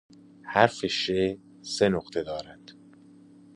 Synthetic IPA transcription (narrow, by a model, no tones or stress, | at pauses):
hæɾfeʃe | senoqt̪ʰe̞d̪ɒːɾænd̪̥